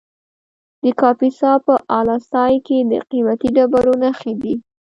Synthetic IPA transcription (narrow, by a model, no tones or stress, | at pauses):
d̪̥əkɑpisɑpəʔɑlɑst̪ɑjked̪ə̰qimat̪iɖabaɾonaxed̪i